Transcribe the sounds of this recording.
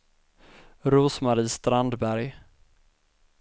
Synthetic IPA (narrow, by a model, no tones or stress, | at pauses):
ɾuːsmaɾiːst̪ɾand̪bæɾj